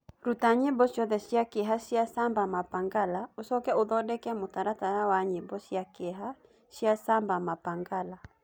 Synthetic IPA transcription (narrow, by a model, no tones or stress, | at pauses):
ɾutaɲɪbɔʃɔðɛʃiakɪɦaʃiasambamapaŋɡalausɔkɛʊðɔdɛkɛamʊtaɾataɾawaɲɪbɔsiakɪɦa | ʃiasambamapaŋɡala